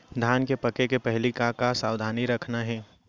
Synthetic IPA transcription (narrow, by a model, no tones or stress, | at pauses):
d̪ʱaːnkepəkekepɛɦlikakasaːwd̪ʱaːniɾɐkʰnaɦɛ̃ː